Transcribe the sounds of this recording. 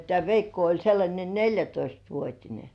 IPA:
tĕæˑ ʋeikːo olʲ selːɑnʲe nelʲjætoistʋuotʲine

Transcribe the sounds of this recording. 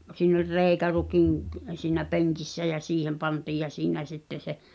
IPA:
siːn ol reˑi̞kæ rukiŋ k siːnæ peŋkisːæ j̆æ siːhem pɑntiːj jɑ siːnæ sitːe se

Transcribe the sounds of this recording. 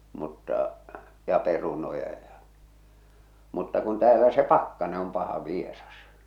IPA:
mutːɑ jɑ perunojɑ jɑ mutːɑ kun tæːlæ se pɑkːɑne om pɑhɑ ʋierɑs

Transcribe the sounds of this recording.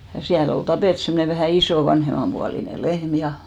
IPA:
jɑ siæl ol tɑpeˑt semːŏne ʋæhæˑ isoˑ ʋɑnhemɑmpuɑline lehm jɑ

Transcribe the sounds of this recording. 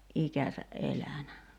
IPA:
ʔikæsæʔ ʔelænæ

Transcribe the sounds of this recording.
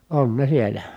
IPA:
on ne sielæ

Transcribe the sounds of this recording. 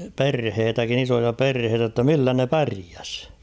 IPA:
perheːtækin isojɑ perheːtæ tːɑ milːæ ne pæriæs

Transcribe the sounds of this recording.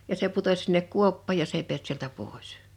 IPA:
jɑ se putos sinːek kuopːɑːj jɑ s eˑi peæst sieltæ poˑes

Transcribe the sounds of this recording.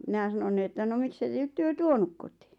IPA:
minæ sɑnon ni etːæ no miksei te tytːøæ tuonuk koti̥ː

